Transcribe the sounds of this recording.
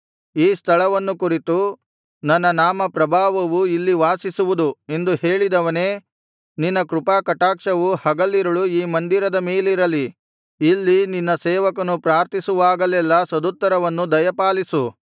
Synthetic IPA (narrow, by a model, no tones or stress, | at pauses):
iːst̪ʰɐɭɐʋɐnːukuɾit̪u | nɐnːɐnaːmɐpɾɐbʱaːʋɐʋuilːiʋaːsisuʋud̪ue̞nd̪uhe̞ːɭid̪ɐʋɐneː | ninːɐkɾupaːkɐʈaːkʂɐʋuhɐɡɐlːiɾɐɭuiːmɐnd̪iɾɐd̪ɐmeːliɾɐliː | lːininːɐsɛːʋɐkɐnupɾaːɾt̪ʰisuʋaːɡɐlɛlːɐsɐd̪ut̪ːɐɾɐʋɐnːud̪ɐjɐpaːlisu